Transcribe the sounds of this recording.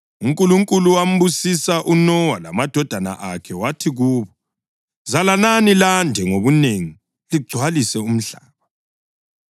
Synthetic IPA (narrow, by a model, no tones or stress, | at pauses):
uŋkʼuluŋkʼuluwam̩βusisaʔunɔwala̰mad̥ʱɔd̥ʱana̰ʔakʰɛwatʰiɣuːβɔ | zalananilandʱɛŋoβuneŋi | liɡ͡ǀʱwalisɛum̩ɮa̰ːβa